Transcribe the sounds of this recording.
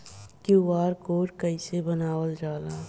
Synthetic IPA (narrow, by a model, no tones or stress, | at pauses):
kjuʋaːɾkoːɾkəɪsebənaːwəld͡ʒaːlaː